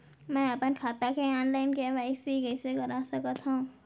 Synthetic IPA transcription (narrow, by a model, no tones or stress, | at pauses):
mɛ̃ɐpənkʰaːt̪akeɔːnlaːɪnkeʋaːɪsikɛːseɡɐɾasəkət̪ɦõ